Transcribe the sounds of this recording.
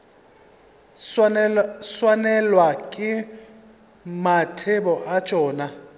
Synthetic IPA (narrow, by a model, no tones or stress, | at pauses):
swanɛlwakʼɪ | matʰebɔʔḁd͡ʒ̥ʱʼɔːna